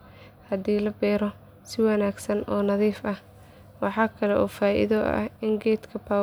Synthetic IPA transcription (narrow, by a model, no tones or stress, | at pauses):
hɐd̪iːlɐbɛːɾɔ | sɪwɑnaːɡsɐnɔːnɐðiːfɐh | wɑħɑːkʰɐlɛʔɔːfaːʔɪ̰ðɔʔɐ̰hɪŋɡɛːd̪kʰɐpʰaː